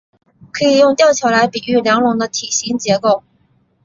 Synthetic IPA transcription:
kʰɤ˧˥i˨˩jʊ˥˧ŋt̪jɑ˥˩ʊt͡ɕʰjɑ˧˥ʊla˧˥ɪpi˨˩y˥˩ljɑ˧˥ŋlʊ˧˥ŋd̪ə˧t̪ʰi˨˩ɕi˧˥ŋt͡ɕjɛ˧˥ko˥˩ʊ

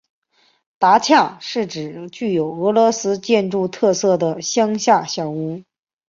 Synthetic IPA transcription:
t̪a˧˥t͡ɕʰjɑ˥˩ŋʂɻ̩˥˩ʈ͡ʂɻ̩˨˩t͡ɕy˥˩jo˨˩ʊɤ˧˥lwɔ˧˥sɹ̩˥t͡ɕjɛ˥˧nʈ͡ʂu˥˧t̪ʰɤ˥˧sɤ˥˩d̪ə˩ɕjɑ˥ŋɕja˥˧ɕjɑ˨˩ʊu˧˥

